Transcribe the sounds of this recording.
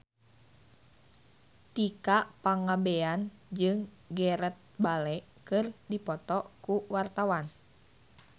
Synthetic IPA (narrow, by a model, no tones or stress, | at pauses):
t̪ikaʔpaŋabɛand͡ʒɨŋ | ɡɛɾət̪̚balɛkɨrdipɔt̪ɔkuwart̪awan